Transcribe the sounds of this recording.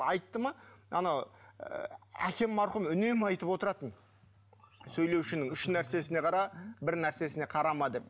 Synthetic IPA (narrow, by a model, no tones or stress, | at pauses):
ɑjt̪ːəmɑɑ̰nɑw | æ̰kʲe̞mːɑɾχʊmʏne̞mɑjt̪əpwo̞t̪əɾɑt̪ən | sɵjlewʃɪnɪŋʏʃnæɾse̞sɪne̞qʰɑɾɑbɪɾnæɾse̞sɪne̞qʰɑɾɑmɑd̪e̞p̚